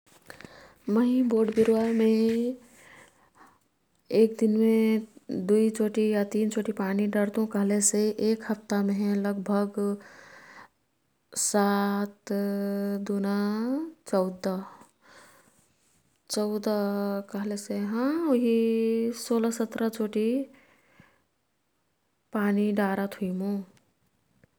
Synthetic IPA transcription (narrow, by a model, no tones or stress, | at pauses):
məɪboːɖbiɾwamẽ | eːkd̪inmẽd̪uit͡ʃoʈijat̪iːnt͡ʃoːʈipaniɖəɾd̪ũkəɦleseʔeːkɦəpt̪amẽɦɛ̃ləɡbʱəɡ | sat̪ | d̪unat͡ʃəʊd̪ə | t͡ʃəʊd̪əkəɦleseɦə̃oɦisoləsət̪ɾət͡ʃoʈi | paniɖaɾət̪ʰɦuimũ